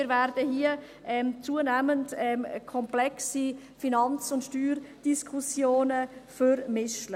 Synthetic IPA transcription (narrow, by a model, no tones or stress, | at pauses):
ɪɾvɛɾd̥əhiːə | ʔɛmt͡suːənɛməntɛmkʰɔmplɛksi | finɑnt͡sʊntʃtyːɾd̥iskʰusjoːnəfœɾmɪʃlə